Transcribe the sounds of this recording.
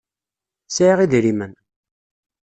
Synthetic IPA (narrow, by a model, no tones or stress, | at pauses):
sʕiʁiðɾimən